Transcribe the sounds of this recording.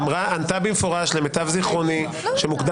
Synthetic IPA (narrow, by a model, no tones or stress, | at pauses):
mʁaant̪abimefo̞ʁaʃlemet̪avziχʁo̞ni | ʃemukd̪a